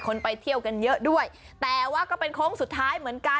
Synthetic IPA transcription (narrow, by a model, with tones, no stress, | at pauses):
kʰo˧npa˧jt̪ʰi˥˩əwka˧njɤ˦˥ʔdu˥˩əj | t̪ɛː˨˩waː˥˩kɔː˥˩pe˧nkʰɾoː˦˥ŋsu˨˩t̪ʰːaː˦˥jmɯ˩˦ənka˧